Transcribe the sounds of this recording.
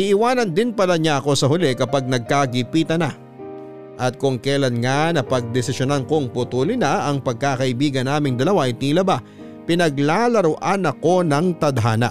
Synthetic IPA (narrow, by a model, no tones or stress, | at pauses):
ʔɪʔɪwaːnɐnd̪ɪnpɐlaɲaʔɐko̞sɐɦʊlɛkɐpaɡ̚nɐɡ̚kaɡɪpiːt̪ɐna | ʔɐt̪̚kʊŋkɛlɐnŋanɐpɐɡ̚d̪ɛsɪsjonankoŋpʊt̪uːlɪnaʔɐŋpɐɡ̚kaːkɐʔɪbiːɡɐnːaːmɪŋd̪ɐlɐwaʔɐjt̪ilɐba | pɪnɐɡlalɐɾʊʔanɐko̞nɐŋt̪ɐd̪ɦaːnɐ̰ʔ